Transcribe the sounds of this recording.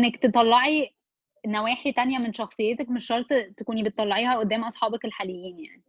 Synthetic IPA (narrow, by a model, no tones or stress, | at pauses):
ʔnːækt̪et̪ˤɑlːɑʕi | næwæːħit̪ænjæmenʃɑxsˤejːet̪ækmeʃhɑɾˤt̪ˤt̪ekuːnibet̪ːˤɑlːɑʕiːhæʔod̪ːæːmʔɑsˤħɑːbɑkelħaːlejːiːnja̰ʕni